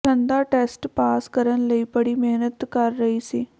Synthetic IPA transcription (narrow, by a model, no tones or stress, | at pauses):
ənd̪aːʈɛːsʈpaːskəɾənləiːpəɽiːmeːnət̪kəɾːəiːsiː